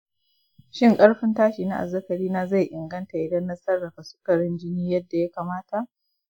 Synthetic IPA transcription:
ʃɪ˦ŋkʼɐ˦ɽɸɪ˦ntaː˦ʃiː˨na˦ʔa̰˨zːɐ˦kɐ˨ɽiː˦naː˦za˦˨jʔɪ˨ŋɡɐ˦nta˨ʔɪ˦dɐ˦nːɐ˦sɐ˦rːɐ˨ka˨sʊ̥˦kɐ˨ɽɪ˦nd͡ʒɪ˦niː˦jɐ˦dːa˨ja˦kaː˨maː˦ta˨ʔ

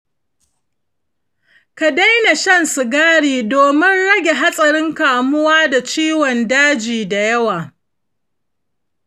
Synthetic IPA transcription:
ka˨da˦jna˨ʃɐ˦nsɪ˨ɡaː˦ɽiː˨doː˨mɪ˦nɽɐ˦ɡʲe˨ɦa˦sʼɐ˨ɽɪ˦ŋkaː˨mʊ˦waː˦da˨t͡ʃiː˦wɔ˨ndaː˦d͡ʒiː˨da˨jɐ˦waː˨

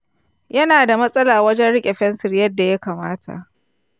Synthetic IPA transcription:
jɐ˦naː˨da˨mɐ˦sʼɐ˦laː˨wɐ˦d͡ʒɛ˦nɽɪ˦kʲʼe˨ɸɛ˦nsɪ˨rjɐ˦dːa˨ja˦kaː˨maː˦tʰa̰˨ʔ

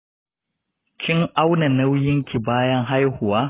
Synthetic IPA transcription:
kʲʰɪ˦ŋʔa˦wna˨nɐ˦wjɪ˦ŋkʲi˨baː˦jɐ˦ŋɦa˦jhʊ˨waː˦

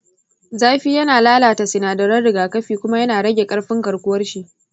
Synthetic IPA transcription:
zaː˦ɸi˦jɐ˦naː˨laː˦laː˨ta˨sɪ˨naː˨dɐ˨ɾɐ˦nɽɪ˨ɡaː˨kɐ˦ɸiː˨kʷʊ˦ma˦jɐ˦naː˨ɽɐ˦ɡʲe˨kʼɐ˦ɽɸɪ˦ŋɡɐ˨ɽkʷʊ˦wɐ˦rʃi˦ʔ

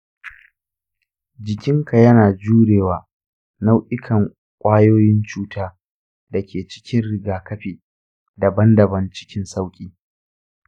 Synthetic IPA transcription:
d͡ʒɪ˨kʲɪ˦ŋkʰa˨jɐ˦naː˨d͡ʒuː˦ɽeː˨waː˨ | na˦wʔɪ˦kʰɐ˨ŋ | kʷʼaː˦joː˦jɪ˦nt͡ʃuː˦taː˦ | dɐ˨kʲʰeː˨t͡ʃɪ̥˦kʲɪ˦nɽɪ˨ɡaː˨kɐ˦ɸiː˨ | dɐ˨bɐ˦ndɐ˨bɐ˦nt͡ʃɪ̥˦kʲɪ˦nsa˦wkʲʼiː˦

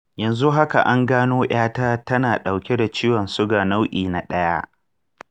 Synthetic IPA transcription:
jɐ˨nzu˦ɦa˦ka̰˨ʔa˦ŋɡaː˦noː˦j̰aː˦taː˦tɐ˦naː˨ɗa˨wkʲe˦da˨t͡ʃiː˦wɐ˨nsʊ˦ɡaː˨na˦wʔiː˨na˨ɗɐ˦jaː˦

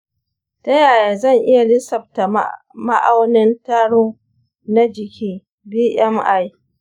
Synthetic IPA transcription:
tɐ˦jaː˨jaː˨zɐ˦˨ŋʔɪ˦ja˨lɪ˦sɐ˨b̚ta˨ | ma̰˦ʔa˦wnɪ˦ntaː˦ɽoː˦ | na˦d͡ʒɪ˨kʲiː˦ | biː˦ʔɛ˦mʔa˦j

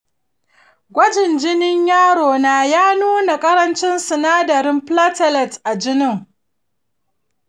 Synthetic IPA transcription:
ɡʷɐ˦d͡ʒɪ˨nd͡ʒɪ˦nɪ˦ɲjaː˦ɽoː˨naː˦jaː˦nuː˦na˨kʼɐ˦ɾɐ˦nt͡ʃɪ˦nsʊ˨naː˦dɐ˨ɾɪ˦mpla˦tɐ˨lɐ˨tʔa˨d͡ʒɪ˦nɪ˦ŋ

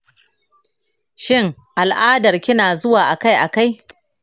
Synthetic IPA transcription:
ʃɪ˦ŋ | ʔa˨lʔaː˦dɐ˨rkʲɪ˦naː˨zʊ˦waː˨ʔa˨ka˦jʔa˨ka˦j

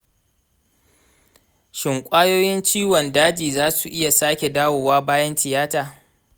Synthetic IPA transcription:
ʃɪ˨ŋkʷʼaː˦joː˦jɪ˦nt͡ʃiː˦wɔ˨ndaː˦d͡ʒiː˨zaː˦su˨ʔɪ˦ja˨saː˦kʲe˨daː˦woː˨waː˦baː˦jɐ˦ntɪ˨jaː˦taː˨

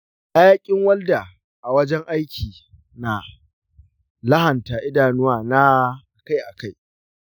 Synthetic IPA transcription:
ʔa˦jaː˦kʲʼɪ˦ŋwɐ˦lda˨ | ʔa˨wɐ˦d͡ʒɛ˦ŋʔa˦jkʲʰiː˨ | na˨ | lɐ˦hɐ˨nta˨ʔɪ˦daː˨nʊ˦waː˨na˦ | ka˦jʔa˨ka˦j

